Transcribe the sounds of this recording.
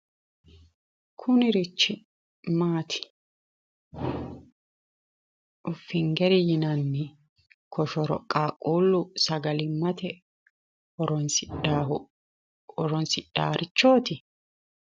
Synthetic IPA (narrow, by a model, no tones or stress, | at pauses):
kʰʊnɪɾɪt͡ʃːɪ | maːt̪ʰɪ̥ | ʔʊfːɪŋɡɛɾɪjɪnɐnːɛ | kʰɔʃɔɾɔ̰kʼːaːkʼːuːlːʊsɐɡɐlɪmːɐt̪ɛ | ɔɾɔnsɪa | ɔɾɔnsɪɗ̥a̰ːɾʔɪt͡ʃːo̞ːt̪ɪ